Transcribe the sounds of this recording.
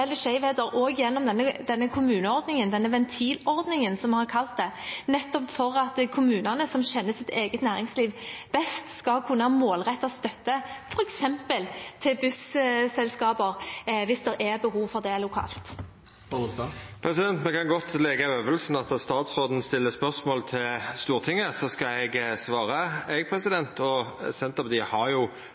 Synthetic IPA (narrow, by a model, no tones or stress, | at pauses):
ɛlːəʂɛɪʋheːd̪əɾʔoːɡjɛnːɔmd̪ɛnːəd̪ɛnːəkʰʊmʉːnəɔʁd̪nɪŋənd̪ɛnːəʋɛnt̪ʰiːlɔɾd̪nɪŋənsɔmhɑʁkʰɑlt̪̚d̪ɛnɛt̪ːɔpfɔɾɑt̪kʰʊmʉːnɑnəsɔmɕɛnːəsɪt̪ʰeːɡət̪næːɾɪŋsliːʋb̥ɛst̪skɑlkʰʉnːəhɑmoːlʁɛt̪ːɔst̪œt̪ːəfɔɾɛksɛmpəlt̪ʰɪlbʉssɛlskɑːbəɾʋɪsd̪ɛɾʔɛɾbəɦuːʋfɔʁd̪ɛlʊkʰɑ̰ːlt̪ | pʰɾɛsɪd̪ɛnt̪mɛkʰɑnɡɔt̪lɛɡəøːʋəlsn̩ɑt̪ɑst̪ɑːt̪sʁoːd̪n̩st̪ɪlːəspœʁsmoːlt̪ʰɪlst̪uːʁt̪ʰɪŋːəsɔskɑɛɡsʋɑːʁəɛɡ̚pʰɾɛsɪd̪ɛnt̪ʰɔsɛnt̪əpɑt̪iːhɑɾjʊ